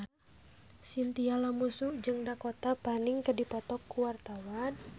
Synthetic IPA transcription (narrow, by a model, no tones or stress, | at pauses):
sint̪ialamusud͡ʒɨŋdakot̪apaniŋkədipɔt̪ɔkːuwart̪awan